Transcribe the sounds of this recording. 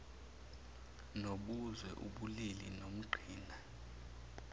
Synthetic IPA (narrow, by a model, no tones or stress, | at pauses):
noɓuzwɛʔṵɓulilinom̩ɡ͡ǃʱiːna